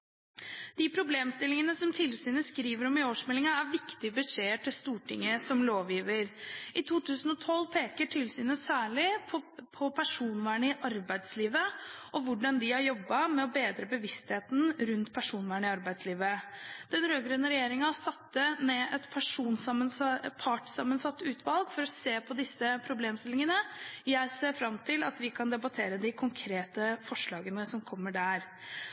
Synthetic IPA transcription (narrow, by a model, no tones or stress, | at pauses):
d̪̥ɪpʰɾʊbleːmst̪ɪlɪŋənəsɔmt̪ʰɪlsyːnəskɾiːʋəɾɔmɪoːʂmɛlɪŋɑæɾʋɪkt̪ɪbəʂeːəʈɪlst̪uːʈʰɪ̰ŋːəsɔmloːʋjiːʋəɾʔɪt̪ʰuːt̪ʰʉːsənɔt̪ʰɔlːpʰeːkəʈʰɪlsyːnəsæːɭɪɔpʰɔpʰæʂuːnʋæːɳəɪʔɑɾbæɪd̪sliːʋəʔɔʋʊɖɑnd̪ɪhɑɾjɔbːɑmɛɔbeːd̪ɾəbəʋɪst̪heːt̪n̩ɾʉnt̪pʰæʂuːnʋæːɳəɪɑɾbæɪd̪sliːʋəd̪̥ɛnɾøːɡɾʉnːəɾɛjeːɾɪŋɑsɑt̪ːəneːʔɛt̪pʰæʂuːnsmənpʰɑʈsɑmːənsɑt̪ːʉːt̪ʰʋɑlɡfɔɾɔseːpʰɔd̪ɪsːəpʰɾʊbleːmst̪ɪlɪŋənəjæɪseːfɾɑmt̪ʰɪlɑ̰t̪ʋɪkʰɑnd̪ɛbɑt̪ʰeːɾəd̪ɪkʰʊŋkʰɾeːt̪əfɔʂɭɑːɡənəsɔmkʰɔmːəɖæɾ